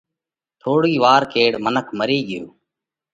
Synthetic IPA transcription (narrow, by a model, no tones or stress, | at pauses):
t̪ʰoːɽiːʋaːɾkeːɽmənəkʰməɾiːɠɪjo̰ː